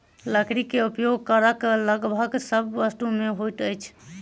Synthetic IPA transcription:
ləkɾikeupjoɡ̚kəɾəkləɡbʱəɡsəbːəst̪umeɦojʈəjt͡ʃʰ

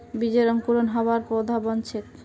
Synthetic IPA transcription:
bid͡ʑeɾɔŋkuɾonɦɔbaɾpod̪ʱabɔnt͡ɕʰek

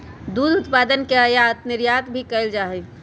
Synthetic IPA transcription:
d̪ud̪ʱut̪pad̪ənkeəjaət̪niɾjat̪bʱikəɪld͡ʒaɦɛ

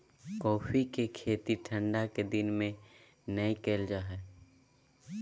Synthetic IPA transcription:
kɔːfʰikekʰeːt̪iʈʰə̃ɳɖaked̪ɪnmẽ | nəikeːld͡ʒaːɦɛː

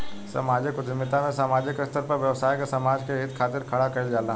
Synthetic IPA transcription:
sɐ̰maːd͡ʒɪkʊd͡ʒɪmːɪt̪amẽsaːmaːd͡ʒɪkɾɪst̪əɾpɐɾʋjɐʋsaːjikesɐmaːd͡ʒkeɦɪt̪kʰaːt̪ɪɾkʰɐɽakɐɪld͡ʒaːlã

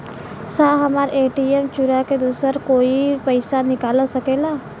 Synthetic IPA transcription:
saːɦɐmaːɾʔeːʈiemt͡ʃuɾaked̪uːsəɾkoːipəɪsanɪkaːlasɐkeːlaː

